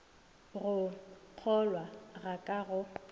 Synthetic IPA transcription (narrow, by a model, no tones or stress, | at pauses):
ɣʊq͡χʰɔlwaɣakʼaɣʊ